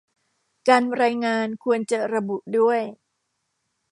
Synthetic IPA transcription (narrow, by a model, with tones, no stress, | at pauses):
kaː˧nɾaː˧jŋaː˧nkʰu˧ənt͡ɕa˨˩ɾa˧bu˨˩ʔdu˥˩əj